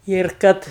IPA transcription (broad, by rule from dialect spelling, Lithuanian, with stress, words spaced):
ɪr ˈkɐt